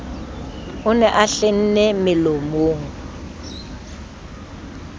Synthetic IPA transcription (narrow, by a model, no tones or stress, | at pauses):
ʊnɛʔaɬen̩nɛmɪlomoːŋ